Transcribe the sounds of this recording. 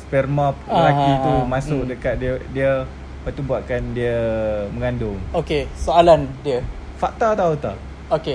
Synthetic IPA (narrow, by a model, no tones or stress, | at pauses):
spɛrmap̚məlakiumãstʊkdəkat̪̚diədiə | pət̪umbuaʔ̚kandiəməŋandʊŋokesoalandiə | faʔt̪at̪aut̪a | oke